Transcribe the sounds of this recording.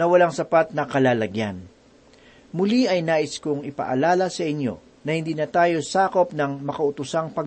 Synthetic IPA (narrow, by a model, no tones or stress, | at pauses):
nɐwɐlaŋsɐpat̪̚nɐkɐlaːlɐɡjan | mʊliʔɐjnaːʔɪskʊŋɪpɐ̰ʔɐ̰laːlɐsɐʔɪnjo̞̰ | nɐhɪnd̪iːnɐt̪aːjo̞saːko̞pnɐŋmɐkɐʔʊt̪ʊsaŋpɐɡ